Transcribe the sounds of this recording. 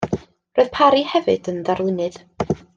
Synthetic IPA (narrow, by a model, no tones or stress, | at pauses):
roːɨð̥pʰaɾihɛvɨd̥ənðarlˠɪnɨð̥